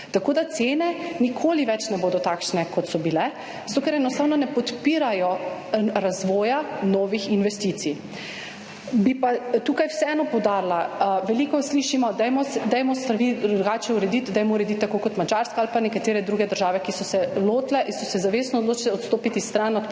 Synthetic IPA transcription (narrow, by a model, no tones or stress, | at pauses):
t̪akoːd̪at̪seːnɛnikʰoːliʋɛt͡ʃnɛboːd̪ɔt̪akʃnɛkɔt̪sɔbilɛ | z̥at̪oːkɛɾɛnɔst̪aːwnɔnɛpɔt̪piːɾajɔɾazʋɔːjanɔːʋixinʋɛst̪iːt̪si | bipat̪uːkajwsɛɛːnɔpɔwd̪aɾlaʋɛliːkɔsliːʃimɔd̪ɛjmɔɛd̪ɛjmɔst̪ɾaʋid̪ɾɾɾuɡaːt͡ʃɛuɾɛd̪it̪d̪ajmɔuɾɛd̪it̪ːakokɔt̪mad͡ʒaɾskaalpanɛkat̪eːɾɛd̪ɾuːɡɛd̪əɾʒaːʋɛkisɔsɛloːt̪lɛʔinsɔsɛzaʋeːsnɔːd̪loːt͡ʃlɛɔt̪st̪oːpit̪ist̪ɾanɔt̪